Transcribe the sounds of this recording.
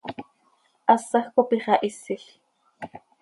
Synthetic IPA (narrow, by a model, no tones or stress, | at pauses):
ʔɑsɑxkopiχɑʔisiɬ